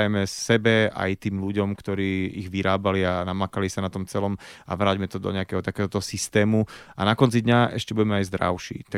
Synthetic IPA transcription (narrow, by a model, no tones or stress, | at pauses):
jɛmɛsɛbɛa̰jt̪iːmluɟɔmkt̪ɔɾiːiɣʋiɾaːbalianamakalisanat̪ɔmt͡sɛlɔma̰ʋɾaːɟmɛt̪ɔd̪ɔ̰ɲɛakɛɦɔt̪akɛːɦɔt̪ɔɦɔsist̪ɛːmuanakɔnt͡sid̪ɲaʔɛ̰ʃcɛbuɟɛmɛajzd̪ɾa̰ʊʃḭːt̪a